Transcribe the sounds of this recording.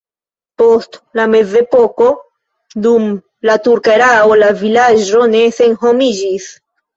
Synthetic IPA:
po̞stlame̞ze̞po̞ko̞ | dum | latuɾkaɾao̞lavilad͡ʒo̞ne̞se̞nɦo̞mid͡ʒis

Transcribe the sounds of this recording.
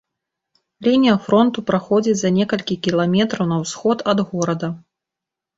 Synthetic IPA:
lʲinʲijɐfɾɔnt̪upɾaxɔd͡zʲit͡sʲzɐnʲɛkɐlʲkʲikʲilˠamʲɛt̪ɾɐwnɐwsxɔt̪ɐd̪ɣɔɾɐd̪ɐ

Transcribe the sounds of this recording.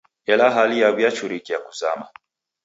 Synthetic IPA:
ɛlaɦalijawjat͡ʃuɾikijakuza̰ma

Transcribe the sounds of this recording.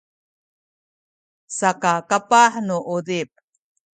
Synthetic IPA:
sakakapaħnuʔudip̚

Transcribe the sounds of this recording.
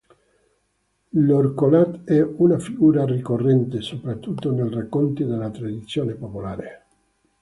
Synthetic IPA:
lorkolat̪ɛunafiɡuːɾarikorːɛnt̪esopɾat̪ːut̪ːonelrakːont̪id̪elat̪ɾad̪it̪sːjoːnepopolaːɾe

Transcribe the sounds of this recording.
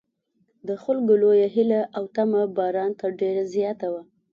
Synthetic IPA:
d̪əxʊlɡʊlojaɦɪlaʔawt̪amabɑɾɑnt̪aɖeɾazjɑt̪awa

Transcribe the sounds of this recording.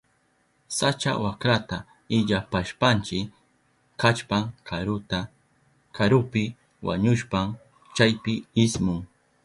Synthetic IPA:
sat͡ʃa̰wakɾat̪a | ɪʎapaʃpant͡ʃɪ | kat͡ʃpaŋɾʊt̪a | kʰaɾʊpɪ | wa̰ɲʊʃpam | t͡ʃajpɪɪsmʊŋ

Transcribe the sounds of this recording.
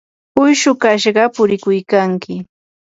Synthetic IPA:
ʊjʃʊkaʃɢɑpʊɾɪkʊjkaŋkɪ

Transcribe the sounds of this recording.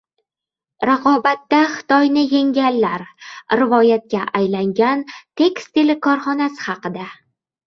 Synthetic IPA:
ɾaqʰɒbat̪ːaχɪ̥t̪ɒjnɪjeŋɡʲalːaɾɾɪvɒjat̪̚kʲaʔajlaŋɡʲant̪ʰe̞kʲst̪t̪ʰelɪkʰɒɾχɒnasɪ̥χɑqɨd̪a

